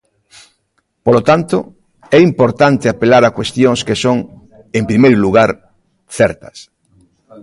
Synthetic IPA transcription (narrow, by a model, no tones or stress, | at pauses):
polot̪ant̪o | ɛimpoɾt̪ant̪eapelaɾakwest̪joŋskesoŋ | empɾimejɾluɣaɾ | θɛɾt̪ɐ̥s